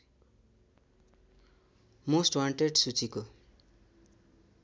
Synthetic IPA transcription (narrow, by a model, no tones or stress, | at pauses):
mosʈwaɳʈeɖsut͡siko